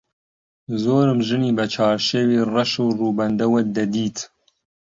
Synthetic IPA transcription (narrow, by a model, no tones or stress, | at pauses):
zoːɾɨmʒɨniːbɐt͡ʃʰɑːɾʃewiːrɐʃuːruːbɐnd̪ɐwɐd̪ɐd̪iːt̪ʰ